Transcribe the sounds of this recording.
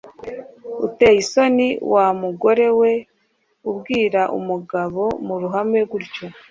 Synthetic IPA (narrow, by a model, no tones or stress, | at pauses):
ṵte̞jiso̞niwʔamuɡo̞ɾe̞we̞ | ubɡiːɾaʔṵmuɡaβo̞muɾuɦame̞ɡuɾco